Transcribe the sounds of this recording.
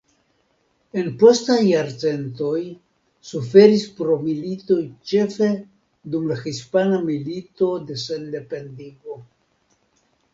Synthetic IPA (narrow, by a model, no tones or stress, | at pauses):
e̞npo̞stajːaɾt͡se̞nto̞j | sufe̞ɾispɾo̞milito̞jt͡ʃe̞fe̞ | dumlaxispanamilito̞de̞sende̞pe̞ndiɡo̞